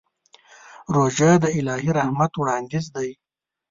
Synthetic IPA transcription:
ɾoːʒajd̪əɪlɑːɦiɾahmat̪wɽɑːnd̪ɪzd̪aj

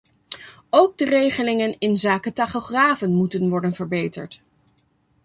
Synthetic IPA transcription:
owɡ̚dərejχəlɪŋənɪnzaːkətaχoχraːvənmutənʋɔɹdənvəɹbejtə̰ɹt

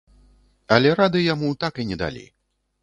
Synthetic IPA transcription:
ɐlʲɛɾad̪ɨjamut̪akinʲɛd̪a̰lʲḭ

